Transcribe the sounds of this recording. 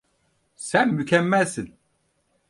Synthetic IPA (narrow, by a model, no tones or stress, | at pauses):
sɛnːycʲʰɛmːɛlsɨn